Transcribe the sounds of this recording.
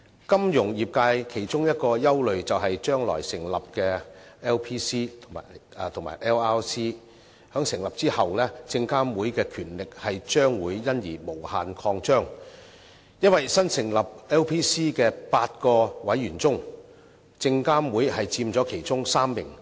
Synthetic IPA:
kɐ˥mjʊ˨˩ŋjiː˨p̚kaː˧jkʰe˨˩jt͡ʃʊ˥ŋjɐ˥t̚kɔː˧jɐ˥wlɵ˨ɥt͡sɐ˨wɦɐ˨jt͡ʃœː˥ŋlɔ̰ː˨˩jsɪ˨˩ŋlɐ˨p̚kɛː˧ɛː˥wpʰiː˥siː˥t̪ʰʊ˨˩maː˨˩˨t̪ʰʊ˨˩ŋma̰ː˨˩jʔɛː˥waː˥wsiː˥ | hœː˨˥ŋsɪ˨˩ŋlɐ˨p̚t͡siː˥hɐ˨wlɛː˥t͡sɪ˧ŋkaː˥mwuː˨˥jkɛː˧kʰyː˨˩nlɪ˨k̚hɐ˨jt͡ʃœː˥ŋwuː˨˥jjɐ˥njiː˨˩mo˨˩whaː˨nkʰɔː˧ŋt͡ʃœː˥ŋ | jɐ˥n̚wɐ˨jsɐ˥nsɪ˨˩ŋlɐ˨p̚ɛː˥wpʰiː˥siː˥kɛː˧paː˧t̚kɔː˧wɐ˨˥jːyː˨˩nt͡sʊ˥ŋ | t͡sɪ˧ŋkaː˥mwuː˨˥jhɐ˨jt͡siː˧mt͡sɔː˨˥kʰe˨˩jt͡sʊ˥ŋsaː˥mːɪ˨˩ŋ

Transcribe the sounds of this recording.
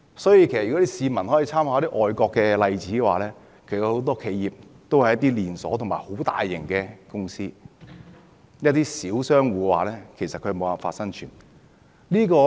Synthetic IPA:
sɔː˨˥ji˧kʰe˨˩jsɐː˨ɔ˨˥t̪i˥siː˨˧mɐ˨˩nhɔː˨˥i˧˥t͡sʰaː˥mhaː˨˧˦t̪i˥ʔɔː˨jkɔː˧kːɛː˧lɐ˧jt͡siː˨˥kɛː˧waː˨lɛː˥ | kʰe˨˩a˧ho˨˧wt̪ɔː˥kʰe˨˧jjiː˨p̚t̪o˥whɐ˨˩jɐ˥t̪̬ːiː˥liː˨nsɔː˨˥t̪ʰmaː˨˩ho˨˥wt̪a̰ː˨˧jːɪ˨˩ŋkɛː˧kʊ˥ŋsiː˥ | jɐ˥t̚t̪iː˥siː˨˥wsœː˥ŋwuː˨˧kɛ˧waː˨lɛː˥kʰe˨˩sɐ˨t̚kʰɵ˧˥mo˨˧wa˨faː˧tsɐ˥ŋt͡ʃʰyː˨˩n | liː˥kɔː˧

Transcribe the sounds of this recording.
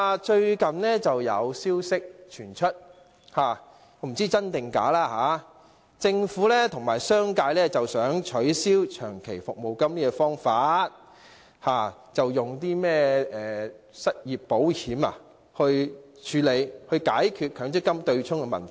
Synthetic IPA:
a˧t͡ʃɵ˧ɥkɐ˨nnɛː˥t͡sɐ˨wjɐ˨˧wsiː˥wsɪ˥k̚t͡ʃʰyː˨˩nt͡ʃʰɵ˥t̚ | haː˨ | ɔː˨˧˥m̩˨˩t͡siː˥t͡sɐ˥nt̪ɪ˨ŋka̰ː˨˥laː˥ɦaː˨˧˦ | t͡sɪ˧ŋfuː˨˥lɛː˥t̪ʰʊ˨˩ŋmaː˨˩jsœː˥ŋkaː˧jlɛː˥t͡sɐ˨wsœː˨˥ŋt͡ʃʰɵ˨˥ɥsiː˥wt͡ʃʰœː˨˩ŋkʰe˨˩jfʊ˨k̚mo˨wkɐ˥mkɛː˧fɔː˥ŋfaː˨˧t̚ | haː˨˩t͡sɐ˨wjʊ˨ŋt̪iː˥mɛː˥ɛː˨ | sɐ˥t̚jiː˨pːo˨˥whiː˨˥ma̰˨ | hɵ˧ɥ | t͡ʃʰyː˨˧˥le˨˧jhɵ˧ɥkaː˨˥jkʰyː˨t̚kʰœː˨˥ŋt͡sʰɪ˥kːɐ˥mt̪ɵ˧ɥt͡sʰʊ˥ŋkɛ˧mɐ˨˩nt̪ʰ

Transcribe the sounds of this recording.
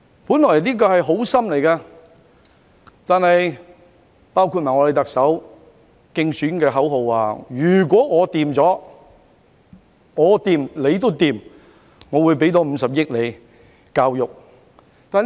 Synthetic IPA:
puː˨˥nlɔː˨˩jniː˥k̬ɔː˧hɐ˨jɦo˨˥wsɐ˥mle˨˩jkaː˧ | t̪aː˨nhɐ˨j | paː˥wkʰu˧t̚maː˨˩ŋɔ˨˧le˨˧t̪ɐ˨k̚sɐ˨˥w | kɪ˧ŋsyː˨˥nkɛː˧ɦɐ˨˥wɦo˨˧waː˨˧jyː˨˩k̬ʷɔː˨˥ŋɔː˨˧t̪iː˨mt͡sɔː˨˥ | ŋɔː˨˧t̪iː˨˧mle˨˧jt̪o˥wt̪iː˨m | ŋɔː˨˧wu˨˧jp̬e˨˥jt̪ɔː˨˥m̩˨˧sɐ˨p̚jɪ˥k̚le˨˧j | kaː˧wjʊ˨k̚ | t̪aː˨n

